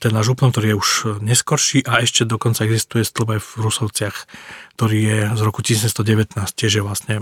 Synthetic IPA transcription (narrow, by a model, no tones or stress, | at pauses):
t̪ɛnːaʒupnɔmkt̪ɔɾiːjɛuʒɲɛskɔɾʃiːʔaɛʃcɛd̪ɔkɔnt͡saɛɡzist̪ujɛst̪l̩bajvɾusɔʊt͡sɪaxkt̪ɔɾiːjɛzɾɔkucisɛst̪ɔɟɛʋɛt̪naːsc̚cɪɛʒjɛʋlasɲɛ